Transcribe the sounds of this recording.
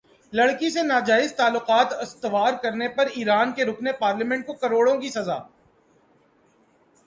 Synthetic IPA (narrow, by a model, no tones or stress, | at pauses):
lɐɽkisenaːd͡ʒaːɪzt̪aːlːʊqaːt̪ɪst̪ʋaːɾkɐɾnepɐɾiːɾaːnkeɾʊkʰnepaːɾlimɛ̃ɳʈ̚kokɐɾoːɽõkisɐza̰ː